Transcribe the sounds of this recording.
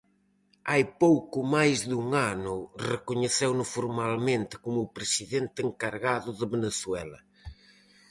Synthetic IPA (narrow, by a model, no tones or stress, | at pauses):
ajpowkʊmajzðuŋanʊrekʊɲeθewnʊfoɾmalmẽnt̪ɪ̥komʊpɾesiðent̪ɪeŋkaɾɣaðʊðɪβeneθwɛlɐ̰